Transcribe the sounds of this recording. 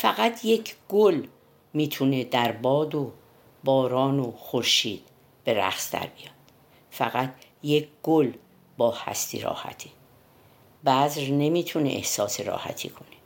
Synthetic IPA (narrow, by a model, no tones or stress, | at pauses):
fæɣæt̪ʰjecʰɡ̥ol | miːt̪ʰune̞d̪æɾbɒːd̪o | bɒːɾɒːnoxoɾʃḭːd̪̥̚ | b̥e̞ɾæ̰xsd̪æ̰ɾbijɒːd̪̥ | fæɣæt̪ʰ | jecʰɡ̥ol | bɒːhæ̰st̪ḭɾɒ̰ːhæ̰t̪ʰe | bæzɾne̞miːt̪ʰunḛʔḛhsɒːseɾɒ̰ːhæ̰t̪ʰḭːkʰone